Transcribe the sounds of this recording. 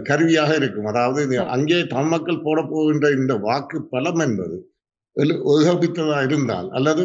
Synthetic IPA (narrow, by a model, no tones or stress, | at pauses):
kɐɾʋɪjaːɣɐɪɾɯkːɯmɐðaːʋɐðɯn̰ʔɐ̰ŋɡeːt̪ɐmmɐkːɐɭpoːɽɐpːoːɣɪndrɐɪnd̪ɐʋaːkːɯpːɐlɐmɛnbɐ̰ðɯ | ɛlʔɔðɯɣɐːbɪt̪ːɐðaːjɪɾɯnd̪a̰ːlɐ̰lːɐðɯ